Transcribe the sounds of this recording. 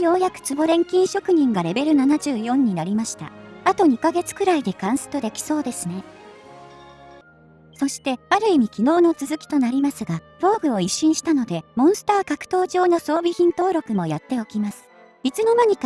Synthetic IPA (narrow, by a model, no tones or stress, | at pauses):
jo̞ːjakɯ̟̥t͡sɨbo̞ɾẽ̞ŋkʲĩɰ̃ɕo̞kɯ̟ɲ̟ĩŋɡaɾe̞be̞ɾɯ̟nanaʑɨːjõ̞ɲ̟ːinaɾʲimaɕi̥t̪a̰at̪o̞ɲ̟ikaɡe̞t͡sɨ̥kɯ̟ɾaid̪e̞kãɰ̃sɨ̥t̪o̞d̪e̞kʲi̥so̞ːd̪e̞sɨne̞ | so̞ɕi̥t̪e̞aɾɯ̟imʲikʲino̞ːno̞t͡sɨzɨkʲi̥t̪o̞naɾʲimasɨɡa | b̥o̞ːɡɯ̟o̞iɕːĩɰ̃ɕi̥t̪ano̞d̪e̞mõ̞ɰ̃sɨ̥t̪aːkakɯ̟̥t̪o̞ːʑo̞ːno̞so̞ːbʲiçĩnt̪o̞ːɾo̞kɯ̟mo̞jat̪ːe̞o̞kʲimasɨ̥ | it͡sɨno̞maɲ̟ik